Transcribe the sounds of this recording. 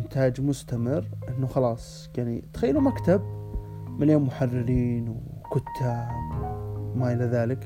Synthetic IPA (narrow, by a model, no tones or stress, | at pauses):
ɪnt̪ʰaːd͡ʒmʊst̪amɪrʔɪnːuxɑlɑːsˤ | jaʕnit̪xajːalumakt̪ab̚ | mɪljoːmːʊħarːɪɾiːnwkʊt̪ʰːaːbmaʔɪlaðaːlɪk